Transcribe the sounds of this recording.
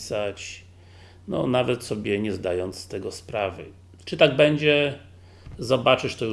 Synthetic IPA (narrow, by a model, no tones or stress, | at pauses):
sat͡ɕ | nɔ̰navɛt̪sɔbʲjɛɲɛzd̪ajɔnt̪st̪ɛɡɔspɾavɘ̰ | t͡ʂɘt̪aɡ̚bɛɲd͡ʑɛ | zɔbat͡ʂɘʂt̪ɔju